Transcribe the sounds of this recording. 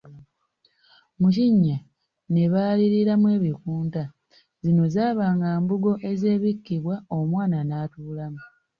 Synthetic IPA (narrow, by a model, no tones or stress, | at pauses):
muciɲːa | ne̞βaːliɾiɾamwe̞ːβikuːnta | zino̞zaːβaːŋɡaːmbuɡo̞ʔe̞ze̞ːβikːiβwaomwaːnanaːtuːlamu